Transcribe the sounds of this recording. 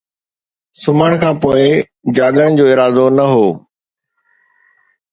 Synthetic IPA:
sʊməɽ̃kʰãːpoːɪ | d͡ʑaːɡ̪ənɪ̆d͡ʑoːɪɾaːzonɐɦoː

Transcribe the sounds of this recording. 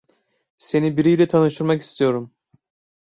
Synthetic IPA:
se̞nibiɾijlʲɛt̪ʰanɯʃt̪ʰɯɾmaki̥st̪ʰijo̞ɾum

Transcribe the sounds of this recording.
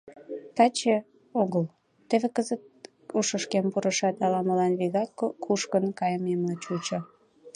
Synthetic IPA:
t̪ɑt͡ɕe | oɣəl | t̪eβekəzət̪̚ | uʃəʃkempuɾʔəʃɑt̪ɑlɑməlɑnβiɣɑkːokʰuʃkənkɑjəmemlɑt͡ɕut͡ɕo

